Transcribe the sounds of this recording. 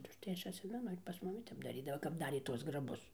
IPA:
tɐɪ ʊʃˈtɐɪ ˈɐʃ ɐtʲˈsʲɪmʲɛnʊ ɪr pɐs ˈmʊmʲɪ ˈtʲɛp dɐˈrʲiːdɐʋoː kɐp ˈdɑːrʲeː ˈtuɔs ɡrɐˈbʊs

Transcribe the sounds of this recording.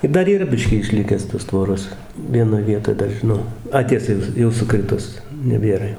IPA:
ɪr ˈdɐr iːˈrɐ ˈbʲɪʃʲkʲiː ɪʃʲˈlʲɪkʲæːs toːs ˈtʋoːroːs ʋʲiɛˈnoːj ˈʋʲiɛtoːj ˈdɐr ʒʲɪˈnɐʊ ˈɐ ˈtʲiɛsɐ jɛʊ ˈjɛʊ sʊˈkrʲɪtʊs nʲɛˈbʲeːrɐ jɛʊ

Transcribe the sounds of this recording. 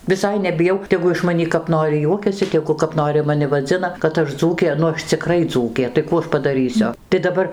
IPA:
ʋʲɪˈsɐɪ nʲɛbʲɪˈjɛʊ tʲɛˈɡʊ ɪʃ mɐˈnʲiː kɐp ˈnoːrʲɪ ˈjuɔkʲɛsʲɪ tʲɛˈɡʊ kɐp ˈnoːrʲɪ mɐˈnʲɪ ʋɐˈd͡zʲɪnɐ kɐt ˈɐʃ ˈd͡zuːkʲeː nʊ ˈɐʃ t͡sʲɪˈkrɐɪ ˈd͡zuːkʲeː tɐɪ ˈkuː ɐʃ pɐdɐˈrʲiːsʲʊ tɐɪ dɐˈbɐr

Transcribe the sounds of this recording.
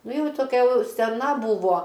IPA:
ˈnʊ ˈjɛʊ toːˈkʲɛ ˈjɛʊ sʲɛˈnɐ ˈbuːʋoː

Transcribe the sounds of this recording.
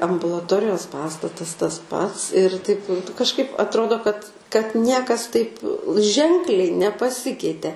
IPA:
ɐmbʊlˠɐˈtoːrʲɪjoːs ˈpɑːstɐtɐs tɐs ˈpɐts ɪr tɐɪp kɐʃˈkɐɪp ɐtˈroːdoː kɐt kɐt ˈnʲiɛkɐs ˈtɐɪp ˈʒʲɛŋklʲɛɪ nʲɛpɐˈsʲɪkʲɛɪtʲɛ

